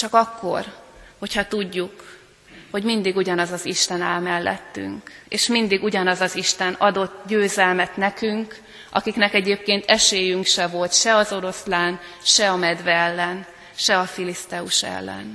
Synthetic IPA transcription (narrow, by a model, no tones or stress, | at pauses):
t͡ʃɒkɒkːo̞̰rho̞cʰhɒt̪uɟːuk | ho̞ɟmind̪iɡuɟɒnɒzɒziʃt̪ɛnaːlmɛlːɛ̰t̪ːy̰ŋkḛːʃmind̪iɡuɟɒnɒzɒziʃt̪ɛnɒd̪o̞t̪ːɟøːzɛlmɛt̪nɛkyŋk | ʔɒ̰kiknɛkɛɟeːp̚keːnt̪ʰɛʃeːjyŋkʃɛvo̞lt̪ʃɛɒzo̞ɾo̞slaːnʃɛɒmɛd̪vɛɛlːɛn | ʃɛɒfilist̪ɛuʃɛ̰lːɛ̰n